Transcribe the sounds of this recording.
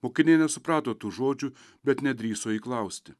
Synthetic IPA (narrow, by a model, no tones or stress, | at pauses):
moːkʲɪnʲeːjnʲɛsʊpɾɑːt̪oːt̪uːʒoːd͡ʒʲuː | bʲɛt̪nʲɛd̪ʲɾʲiːsoːiːklˠɐˑʊsʲt̪ʲɪ